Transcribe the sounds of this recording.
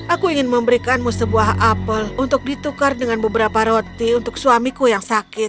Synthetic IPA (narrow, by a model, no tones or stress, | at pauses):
ʔakuiŋɪnməmbəɾikanmusəbuaɦapəlunt̪ʊk̚dit̪ukardəŋanbəbəɾapaɾot̪iunt̪ʊksuamikujaŋsakɪt̪̚